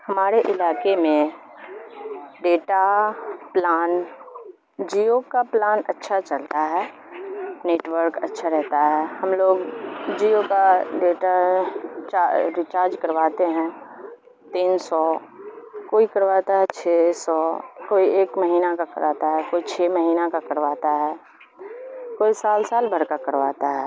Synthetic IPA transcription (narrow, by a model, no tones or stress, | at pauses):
hɐmaːɾeʔɪlaːkemẽ | ɖeːʈaplaːn | d͡ʒiːokaplaːnə̰tːʃʰat͡ʃəlt̪aɦɛː | neːʈwəɾkətːʃʰaɾɛɦt̪aɦɛːhɐmloːɡd͡ʒiːokaɖeːʈa | t͡ʃaɾɪt͡ʃaːɾd͡ʒkəɾʋaːt̪eɦɛ̃ | t̪iːnsɔː | koːikəɾʋaːt̪aɦɛt͡ʃʰesɔːkoːieːkməɦiːnakakəɾaːt̪aɦɛkoːit͡ʃʰeːməɦiːnakakəɾʋaːt̪aɦɛː | koːisaːlsaːlbʱəɾkakəɾʋa̰ːt̪aɦɛː